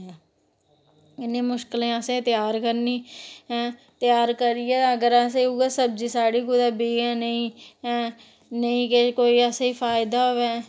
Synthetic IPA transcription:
ɛː | ɪnẽːmʊʃkɪlẽːəsẽːt̪ɪjaːɾkəɾniː | t̪ɪjaːɾkəɾiːɛːəɡəɾaseːuːɛːsəbd͡ʒiːsaːɽiːkʊd̪aːbiːɛːnəĩː | nəĩːkekoːiːɛːseiːpʰaːɪd̪aːoːʋɛː

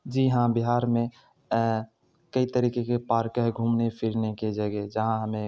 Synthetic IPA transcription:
d͡ʒiːɦãbɪɦaːɾmẽ | kəit̪əɾiːkekepaːɾkəɦɡʱuːmnepʰɪɾneked͡ʒɐɡed͡ʒəɦãɦəmẽ

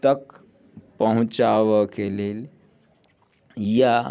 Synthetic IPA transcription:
t̪ək | pəɦũt͡ʃaʋəkelel | ja

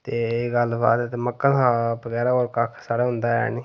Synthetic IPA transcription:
t̪eːɡəlba̰ːt̪ɛt̪eməkːakãːbəɡɛːɾaoːɾkakʰsaːɽaːɦʊ̃nd̪aːa̰ːniː

